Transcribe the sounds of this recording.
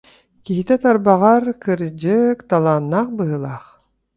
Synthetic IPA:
kiɦit̪ɛt̪aɾbaʁaɾkɯɾd͡ʑɯkt̪alˠaːnːaχbɯɦɯlˠaχ

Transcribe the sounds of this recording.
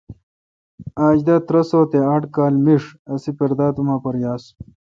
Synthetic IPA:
aːd͡ʑd̪ɐt̪ɾɐsoːt̪eɐʈkaːlmiʂɐsipeɾd̪aːt̪umaːpɐɾjaːs

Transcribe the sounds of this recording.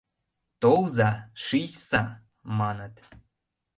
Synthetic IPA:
t̪owzɑʃisɑ | mɑnət̪

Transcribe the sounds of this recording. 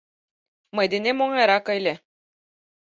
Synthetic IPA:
mɤjd̪enemoŋɑjɾɑkɤjlʲĕ

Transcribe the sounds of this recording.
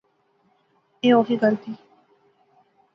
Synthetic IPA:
eːɔfiɡəlt̪iː

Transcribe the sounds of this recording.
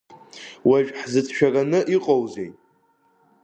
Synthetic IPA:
waʒᶣħzɨt͡sʰʃᶣakʼanɨʔiqʼowzejtʼ

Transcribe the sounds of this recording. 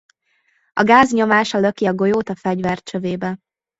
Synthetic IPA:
ɒɡaːzɲo̞maːʃɒløkiɒɡo̞joːt̪ɒfɛɟvɛrt͡ʃøveːbɛ

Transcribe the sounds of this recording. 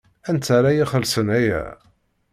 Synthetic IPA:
ænt̪ːaɾˤajiχəlsənæjæ̰

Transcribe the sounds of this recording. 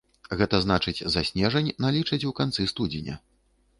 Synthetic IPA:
ɣɛt̪ɐznat͡ʂɨt͡sʲzasʲnʲɛʐɐnʲnalʲit͡ʂɐt͡sʲukant̪sɨst̪ud͡zʲinʲɐ̰

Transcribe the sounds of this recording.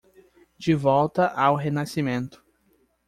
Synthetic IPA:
d͡ʒɪvɔwt̪ɐʔawɦenasimẽnt̪ʊ̥

